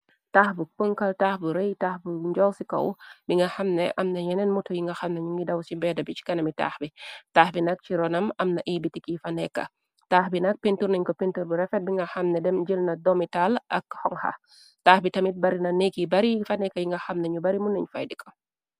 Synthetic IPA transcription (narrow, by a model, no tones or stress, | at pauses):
taːxbupəŋkɐltaːxbuɾɛjtaːxbuɲd͡ʒɔwsikɐ̰wbiŋɡɐxɐmnɛʔɐmnɐjɛnɛnmutɔjiŋɡɐxɐmnɐɲuŋɡidɐwsibɛdɐbit͡ʃi̥kɐnɐmita̰ːxbitaːxbinɐk̚t͡ʃiɾɔnɐmɐmnɐʔiːbitikifɐnɛkːɐ̰ | taːxbinɐk̚penturnɐɲkɔpentuɾbuɾɛfɛt̚biŋɡɐxɐmnɛdɛmd͡ʒəlnɐdɔmitalʔɐkhɔŋhɐ̰ | taːxbitɐmit̚bɐɾinɐnekibɐɾifɐnɛkːɐjiŋɡɐxɐmnɛɲubɐɾimunːɐɲfa̰jdikɐ